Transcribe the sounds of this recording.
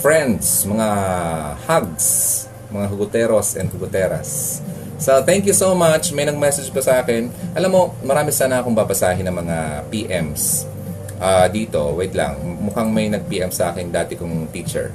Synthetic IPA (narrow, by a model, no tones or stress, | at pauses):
fɹɛ̃nd̪smɐŋa | haɡ̚s | mɐŋaɦɐɡʊt̪ɛːɾosʔɛnd̪khɐɡʊt̪ɛːɾɐ̰sː | ot̪ɛŋkjusomat͡ʃmɐjnɐɡ̚mɛsɛd͡ʒkɐsɐʔaːkɛnʔɐlamːo̞mɐɾaːmɪsaːnɐʔɐkoŋbabɐsaːɦɪnɐŋmɐŋapiːʔɛms | ʔaːd̪iːt̪o̞̰wɛd̪lɐ̰ŋmʊkaŋmɐjnɐɡ̚piːʔɛmsɐʔaːkɪnd̪aːt̪ɪkʊŋfiːt͡ʃɛ̰ɹ